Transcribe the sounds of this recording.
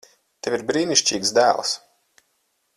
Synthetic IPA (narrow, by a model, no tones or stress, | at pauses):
t̪ʲevʲiɾbɾiːnʲiʃt͡ʃʲḭːɡzd̪æːl̰ˠs